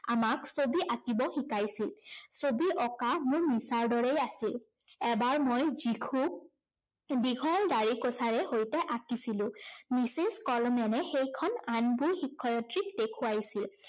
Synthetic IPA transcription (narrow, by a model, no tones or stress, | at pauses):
amaksobiʔakibɔxikajsilsobiʔɔkamʊɹmisaɹdɔɹɛjasilɛbaɹmojzikʰuk̚ | biɡʱɔldaɹikɔsaɹɛhojtɛʔakisilʊ̃miseskɔlɔmɛnɛxejkʰɔnanbuɹxikʰːɔjɔtɹik̚dekʰʊwajsil